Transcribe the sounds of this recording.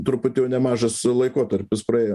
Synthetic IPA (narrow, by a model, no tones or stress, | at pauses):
t̪ɾʊpʊt̪ʲɛʊnʲɛmɑːʒɐslˠɐɪkoːt̪ɐɾʲpʲɪspɾɐeːjo